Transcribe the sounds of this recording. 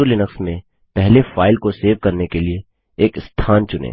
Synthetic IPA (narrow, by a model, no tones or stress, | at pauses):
ulɪnəksmẽ | pɛɦlefaːɪlkoseːʋkɐɾnekelieː | kɪst̪ʰaːnt͡ʃʊnḛː